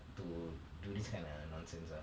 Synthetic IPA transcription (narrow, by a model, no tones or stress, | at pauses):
tududiskʰãɪ̃ndʌnɔ̃nsẽnsa